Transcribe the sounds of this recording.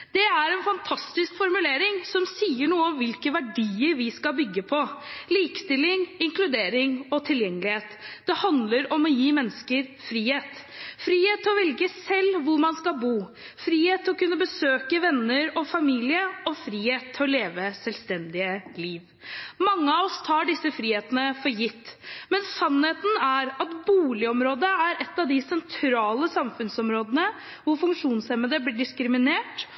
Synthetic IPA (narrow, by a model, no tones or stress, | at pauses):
d̪̥ɛæɾɛnfɑnt̪ʰɑst̪ɪskfɔɾmʉleːɾɪŋsɔmsiːəɳuːəɔmʋɪlkəʋæɖiːəɾʋɪskɑlbʏɡːəpʰɔliːkə̥st̪ɪlɪŋɪŋklʉd̪eːɾɪŋɔt̪ʰɪljɛŋːəlɪheːt̪d̪̥ɛhɑnd̪ləɾɔmɔjiːmɛnːskəɾfɾiːheːt̪ | fɾiːheːt̪ʰːɔʋɛlɡəsɛlːʋʊɾmɑnskɑlbuː | fɾiːheːt̪ʰːɔkʉnːəbəsøːkəʋɛnːəɾɔfɑmiːlɪəɔfɾiːheːt̪ʰːɪɔleːʋəsɛlst̪ɛnd̪ɪəliːʋ | mɑŋːəɑɔst̪ʰɑːɖɪsːəfɾiːheːt̪ənəfɔɾjɪt̪ːmɛnsɑnheːt̪n̩æɾɑt̪buːlɪɔmɾoːd̪əæɾɛt̪ːɑʋd̪ɪsɛnt̪ʰɾɑːləsɑmfʉnsɔmɾoːd̪ənə | ʋʊɾfʉŋkʂuːnsɛməd̪əblɪɖɪskɾɪmɪneːʈ